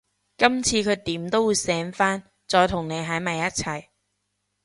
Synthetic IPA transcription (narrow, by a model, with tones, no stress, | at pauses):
kɐ˥mt͡sʰiː˧kʰɵ˨˧ɥt̪iː˨˥mt̪o˥wuː˨˧jsɛː˨˥nfaː˥n | t͡sɔː˧jt̪ʰʊ˨˩ŋne˨˧jɦɐ˨˥jmɐ˨˧jːɐ˥t̚t͡sʰɐ˨˩j